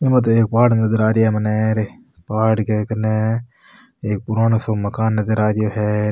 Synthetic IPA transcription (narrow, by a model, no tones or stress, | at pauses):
ɪmɐt̪̬eːk̚paːɽmnɐzəɾaːɾɪjɦɛmɐneɾe | paːɖkekɐne | eːk̚pʊɾaːnosomɐkaːnːɐzəɾaːɾɪjoːɦɛː